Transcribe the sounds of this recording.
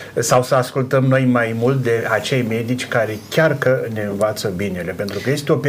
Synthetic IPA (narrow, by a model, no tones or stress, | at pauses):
sawsəaskult̪əmno̞jmajmult̪̚d̪e̞at͡ʃe̞jme̞d̪it͡ʃʲkaɾe̞kʲarkəne̞ɨnvat̪səbinele̞pe̞nt̪ɾukəje̞st̪eo̞p